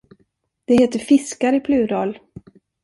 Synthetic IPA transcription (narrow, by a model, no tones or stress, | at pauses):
d̪̥ɛheːt̪əɾfɪskaɾɪpʰlʉ̟ːɾɑːl